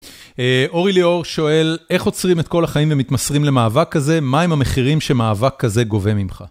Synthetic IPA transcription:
eʔo̞ʁilio̞ʁʃo̞e̞le̞χo̞t͡sʁimet̪̚ko̞laχaimvemit̪masʁimle̞maːvakːaze̞maemhame̞χiʁimʃe̞maːvakʰːaze̞ɡo̞ve̞mimχa̰

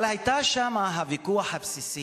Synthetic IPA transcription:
lhajtaʃamaɦavikuaħabsisi

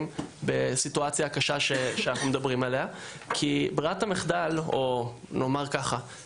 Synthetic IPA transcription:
mbe̞situat͡sjakaʃaʃeʃeanaχnumedabʁimalea | kʰibʁiatameχdalo̞ | no̞maʁkaχa

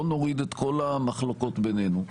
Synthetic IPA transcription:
no̞ʁid̪et̪ko̞lamaχlo̞ko̞t̪bene̞nu

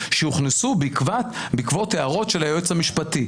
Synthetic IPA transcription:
ʃeuχnesubikvat̪ | bikvo̞t̪eaʁo̞tʃelaejot͡shamiʃpati

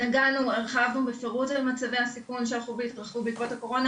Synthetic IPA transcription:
naɡanueʁχavnubefe̞ʁutalmat͡savejasikunʃeaχubeit̪ʁaχvubikvotako̞ʁo̞na

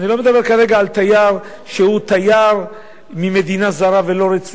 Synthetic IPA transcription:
nilo̞med̪abe̞ʁkaʁe̞ɡaːlt̪ajaʁ | ʃehut̪ajaʁ | mime̞d̪inazaʁave̞lo̞ɾet͡s

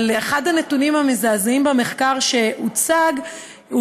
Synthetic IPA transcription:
leχadhane̞tunimhamezaːzimbame̞χkaʁʃe̞ut͡saɡ | u

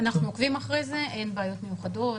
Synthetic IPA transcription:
anaχnuokvimaχʁejze̞ʔe̞nbaːjo̞t̪me̞juχado̞t

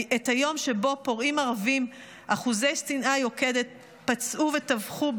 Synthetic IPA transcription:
et̪hajo̞mʃebo̞po̞ʁimaʁavim | ʔaχuze̞jsinʔajo̞ke̞d̪et̪̚ | pat͡sʔuve̞t̪avχu

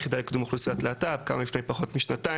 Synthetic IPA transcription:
χidalekd̪umuχlusiat̪laːt̪avka̰mamifnejmpaχo̞t̪miʃnat̪a

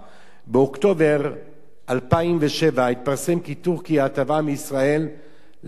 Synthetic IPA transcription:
beokt̪o̞veʁ | ʔalpaimveʃevait̪̚paʁsemkit̪uʁkijaːt̪avameisʁae̞lː

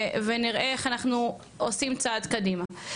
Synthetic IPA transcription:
veniʁeeχanaχnu | osimt͡sad̪kadima

